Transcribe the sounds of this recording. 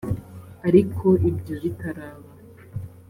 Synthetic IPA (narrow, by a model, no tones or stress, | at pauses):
aɾikʰo̞ʔibɟoβitaɾaːβa